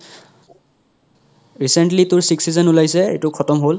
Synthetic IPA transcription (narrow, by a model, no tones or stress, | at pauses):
ɹisentlitʊɹsiksizɔnulajsɛḛtukʰɔtɔmɦol